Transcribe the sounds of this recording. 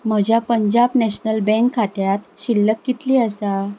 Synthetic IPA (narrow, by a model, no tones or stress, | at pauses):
m̤əd͡ʑjapəɲd͡ʑabnɛɕnəlbɛ̃ŋkʰːaʈ̪jat̪ɕilːəkːit̪liːəsa